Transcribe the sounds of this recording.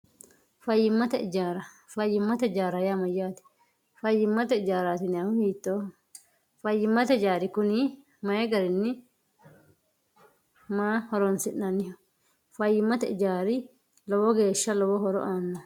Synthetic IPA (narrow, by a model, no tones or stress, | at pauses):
fɐjːɪmːɐt̪ɐɪd͡ʒaːɾɐ | fɐjːɪmːɐt̪ɐɪd͡ʒaːɾɐjamɐjːaːt̪ɪ̥ | fɐjːɪmːɐt̪ɐɪd͡ʒaːɾaːt̪ɪnɪɐhʊhiːt̪ːoː | fɐjːɪmːɐt̪ɐɪd͡ʒaːɾɪkʊni | mɐjɛɡɐɾɪnːɪ | maːhɔɾɔnsɪnːɐnɪhɔ | fɐjːɪmːɐt̪ɐɪ̰d͡ʒaːɾɪ | lɔwɔɡe̞ːʃːɐlɔwɔɦɔɾɔ̰ʔaːnːɔ